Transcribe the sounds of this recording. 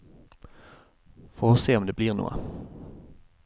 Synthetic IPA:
foːseːɔmd̪eːbliːʁnṵːə̰

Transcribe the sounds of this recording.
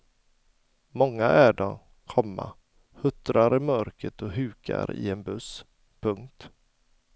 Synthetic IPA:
mɔŋːaʔæɖɔ | kʰɔmːa̰ | hɵt̪ɾaɾɪmœɾkɾət̪ɔɦʉ̟ːkʰa̰ɾɪ̰ɛnbɵs | pʰɵŋk̚t̪

